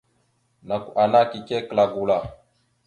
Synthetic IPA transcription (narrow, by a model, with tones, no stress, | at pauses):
na˨ku˨ʔa˨na˦ki˨ke˦kla˨ɡu˨la˨